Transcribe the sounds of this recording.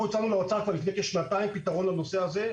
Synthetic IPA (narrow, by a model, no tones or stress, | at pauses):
ut͡sanuleot͡sakvaʁlifne̞kʃnat̪aimpit̪aʁo̞nlano̞se̞aze̞